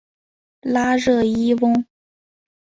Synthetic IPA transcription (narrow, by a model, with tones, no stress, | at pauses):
la˥ɻɤ˥˩i˥wʊ˥ŋ